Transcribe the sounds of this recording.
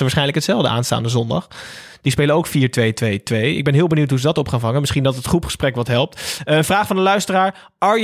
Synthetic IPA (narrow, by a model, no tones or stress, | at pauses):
əʋaɹsχɛjnləkətsɛlˠvdəʔa̰ːnsta̰ːndəzɔndɑ̰χ | d̥ispejlənowkfiːɹtʋejtʋejtʋejɪ̰ɡ̚bɛnɦɪːlˠbənuwtɦuzədɑtɔpχaːnvɑŋənmɪsχindɑtətχrupχə̥sprɛkʋɑtɦɛlˠp̚təənvraːχfɑndəlœɥstəraːɹ | ʔɑɹj